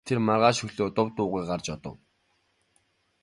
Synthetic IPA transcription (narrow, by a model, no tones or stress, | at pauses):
t̪ʰermarʁaːʃɵɣɮoːt̪ʊwt̪ʊːʁiːkɢart͡ɕɔt̪ɞ̰̆w